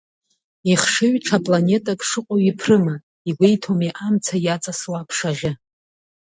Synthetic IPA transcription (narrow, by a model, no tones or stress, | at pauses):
iχʂɨɥʈ͡ʂʰapʼlane̞tʼakʼʂɨqʷʼoɥipʰrɨma | iɡʷejtʰomiʔamt͡sʰajat͡sʼaswapʰʂaʁʲɪ